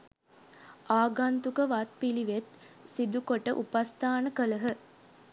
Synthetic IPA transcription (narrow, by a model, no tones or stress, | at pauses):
aːɡant̪ukəʋat̪̚piliʋet̪ | sid̪ukoʈəʔupast̪aːnəkələɦə